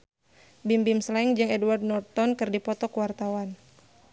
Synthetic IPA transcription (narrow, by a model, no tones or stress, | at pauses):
bimbimslaɛŋd͡ʒɨŋɛduward̪̚nɔrt̪ɔnkɨrdipɔt̪ɔkuwart̪awan